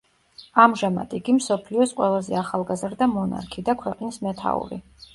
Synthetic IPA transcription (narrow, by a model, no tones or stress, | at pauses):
amʒama̰d̪̥iɡimsɔpʰliɔsqʼwɛlˠazɛaχalˠɡazɾd̪amɔna̰ɾkʰid̪akʰwɛqʼnismɛt̪ʰa̰ṵɾḭ